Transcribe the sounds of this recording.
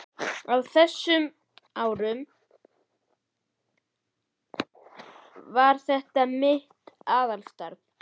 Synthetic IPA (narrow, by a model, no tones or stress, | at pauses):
awθɛsːʏm | aːwɾʏm | vaɾ̥θɛht̪amɪht̪aːðalst̪aɾkn